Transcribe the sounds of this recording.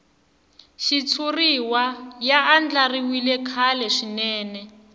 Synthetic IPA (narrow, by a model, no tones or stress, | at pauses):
ʃit͡sʰuriwajaʔːnd͡ɮariwilɛkʰalɛʂinɛːnɛ